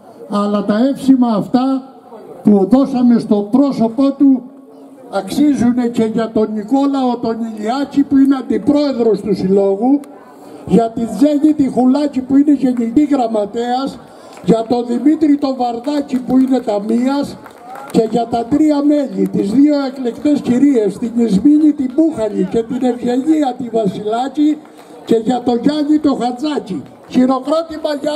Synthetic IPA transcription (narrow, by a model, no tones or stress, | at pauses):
ɐlɐt̪ɐe̞fsimɐːft̪ɐ | puðo̞sɐme̞st̪o̞bɾo̞so̞po̞t̪u | ɐksizune̞ce̞ʝɐt̪o̞niko̞lɐo̞t̪o̞niliɐcipuineɐnd̪ipɾo̞e̞ðɾo̞st̪usilo̞ɣu | ʝɐt̪inʝeʎit̪ixulɐcipuine̞ʝeɲit̪iɣɾɐmɐt̪eɐs | ʝɐt̪o̞ðimit̪ɾit̪o̞vɐɾðɐcipuine̞t̪ɐmiɐs | ce̞ʝɐt̪ɐt̪ɾiɐme̞ʎit̪izðio̞e̞klekt̪e̞sciɾie̞st̪iɲizmiɲit̪imuxɐʎice̞t̪ine̞vʝe̞ʎiɐt̪ivɐsilɐci | ce̞ʝɐt̪o̞ʝɐɲit̪oxɐnzɐci | çiɾo̞kɾo̞t̪imɐʝɐ